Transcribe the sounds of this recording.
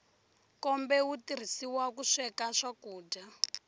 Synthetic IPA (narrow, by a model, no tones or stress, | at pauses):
kɔmbɛwutir̤isiwakuʂɛkaʂakuːɟa